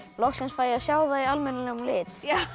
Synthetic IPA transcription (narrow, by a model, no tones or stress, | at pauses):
lɔksɛnsfaːjaðsjaːwðaialmɛnalɛɣlɪːt̪